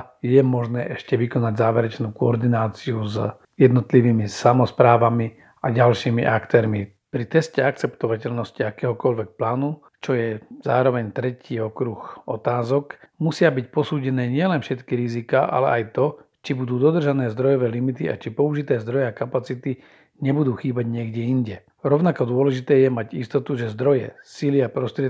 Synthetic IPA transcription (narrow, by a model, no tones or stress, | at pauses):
jɛmɔʒnɛːʔɛʃcɛʋikɔnaɟzaːʋɛɾɛt͡ʃnuːkɔɔɾd̪inaːt͡siuz | jɛd̪nɔt̪liʋiːmisamɔspɾaːʋami | aɟalʃiːmḭʔakt̪ɛːɾmi | pɾit̪ɛscɛak̚t͡sɛpt̪ɔʋacɛʎnɔsciakɛːɦɔkɔʎʋɛk̚plaːnu | t͡ʃɔjɛza̰ːɾɔʋɛɲt̪ɾɛciːɔkɾuxɔt̪aːzɔkmusɪabicpɔsuːɟɛnɛːɲɪɛlɛnfʃɛt̪kiɾizikaːʔa̰lɛ̰ʔajt̪ɔt͡ʃibud̪uːd̪ɔd̪r̩ʒanɛːzd̪ɾɔjɔʋɛːlimit̪ia̰t͡ʃipɔuʒit̪ɛːzd̪ɾɔjɛakapat͡sit̪i | ɲɛbud̪uːxiːbaɟɲɪɛɡɟɛiɲɟɛ | ɾɔʊnakɔd̪ʊɔlɛʒit̪ɛːjɛmaɟist̪ɔt̪uʒɛzd̪ɾɔjɛ̰siliapɾɔst̪ɾɪɛ